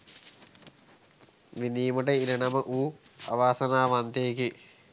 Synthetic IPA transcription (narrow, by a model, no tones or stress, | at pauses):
ʋiniːmɐʈɐiɾɐɳɐmɐʔuː | ɐ̰ʋaːsɐnaːʋɐnt̪eːki